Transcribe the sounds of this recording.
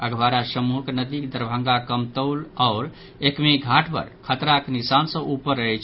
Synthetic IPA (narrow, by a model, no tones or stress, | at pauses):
əɡʋaɾasəmuɦəknəd̪ikd̪əɾbʱə̃ŋɡakəmt̪əʊlaʊɾ | ekmeɡʱaʈʰpə̰ɾkʰət̪ɾaknisansə̃ʔupəɾːəɦɛjt͡ʃʰ